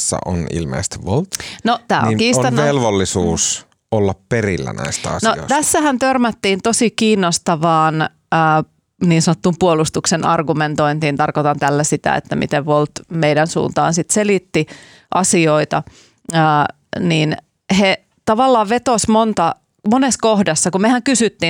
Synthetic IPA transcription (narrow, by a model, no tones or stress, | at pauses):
sːæ̰ʔo̰nḭlmḛːˑst̪iʋʋolt̪not̪æːo̰kiːsot̪ɑnːelʋolːisuːs | olːɑpperilːæ̰næ̰istt̪æɑ̰snoo̰ˑt̪æsːæhænt̪ørmæt̪ːiːnt̪osikiːnːost̪ɑʋɑːn | əː | niːnsɑnot̪ːumpuolust̪uksenɑ̰rɡument̪oint̪iːnt̪ɑrkot̪ɑnt̪ælːæsit̪æ̰ḛt̪ːæmʔḭt̪eʋʋolt̪meidænsṵːnt̪ɑ̰ːnsit̪selit̪ːi | ʔɑsioit̪ɑ | əː | niːn | he | t̪ɑʋɑlːɑːʋʋet̪osmont̪ɑ | moneskohdɑsːɑkumehæŋkysyt̪ːi